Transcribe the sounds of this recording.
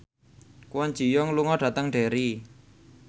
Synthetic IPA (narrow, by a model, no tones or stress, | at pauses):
kuwɔn̥d͡ʒ̥i̤jɔŋluŋɔɖ̥ä̤t̪əŋɖ̥e̤ɾi